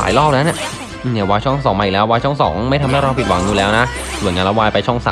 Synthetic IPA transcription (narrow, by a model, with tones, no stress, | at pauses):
a̰ː˩˦jlɔː˥˩p̚na˦˥na˧˩ | ʔɯː˧˩ni˧˩waː˧jt͡ɕʰɔ˥˩ŋsɔː˩˦maː˧˨˩lɛː˦˥waː˧jt͡ɕʰɔ˥˩ŋsɔ̰ː˩˦ŋma˥˩t̪ʰa˧mha˥˩jɾa˧wpi˨t̪̚wa̰˩˦ŋɲuː˧lɛː˦˥wna˦˥ | su˨˩˦nŋaː˧nla˦˥waː˧jpa˧jt͡ɕʰɔ˥˩ŋsa̰ː˨˦